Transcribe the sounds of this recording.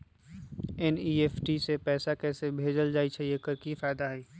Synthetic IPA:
ɛniːeːfʰʈisepɛːsakɛːsebʱeːd͡ʒəld͡ʒaːit͡ʃʰaijekəɾkifaːɪd̪aɦɛː

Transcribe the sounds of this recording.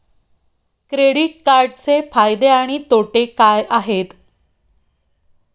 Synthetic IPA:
kɾeɽiʈ̚kaɾɖt͡sefajd̪eaɽ̃it̪oʈekajʔaɦet̪

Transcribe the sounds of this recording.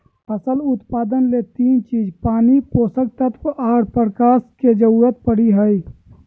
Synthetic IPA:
əsəlʊt̪paːd̪ənlet̪iːnt͡ʃiːd͡ʒpaːnipoːsək̚t̪ət̪ʰʔaːɾpəɾkaːsked͡ʒəuːɾət̪̚pəɽiɦəi

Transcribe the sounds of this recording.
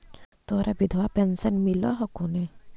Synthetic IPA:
t̪oːɾabɪd̪ʱwapɛnsənmilɔ̰ɦɔkune

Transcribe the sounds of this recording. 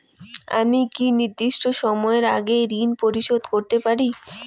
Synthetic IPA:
a̰mikiniɾd̪iʃʈoʃɔmɔeɾaɡeɾinpoɾiʃod̪koɾt̪epaɾi

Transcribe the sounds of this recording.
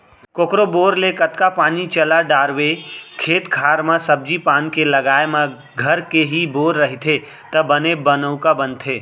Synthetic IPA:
koːkɾoboːɾlekət̪kapaːnit͡ʃəlaɖaːɾwekʰeːt̪kʰaːɾmãsəb̚d͡ʒipaːnkelɐɡaːemã | ɡʱəɾkeɦiboːɾːəɦit̪ʰe | t̪ɐbənebənəʊkabə̃nt̪ʰeː

